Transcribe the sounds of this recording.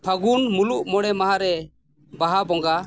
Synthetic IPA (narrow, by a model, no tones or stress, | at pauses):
pʰaɡunmuluʔmɔɽɛmaɦaɾɛ | baɦabɔŋɡa